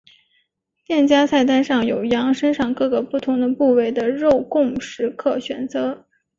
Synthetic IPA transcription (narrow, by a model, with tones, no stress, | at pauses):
t̪jɛ˥˩nt͡ɕja˥sa˥˧ɪt̪a˥˧nʂɑ˥˩ŋjo˨˩ʊjɑ˧˥ŋʂə˥nʂɑ˥˧ŋkɤ˥˩ɡə˩pu˥˩t̪ʰʊ˧˥ŋd̪ə˧pu˥˧we˥˩ɪd̪ə˦ɻo˥˧ʊkʊ˥˩ŋʂɻ̩˧˥kʰɤ˥˩ɕɥɛ˨˩nt͡sɤ˧˥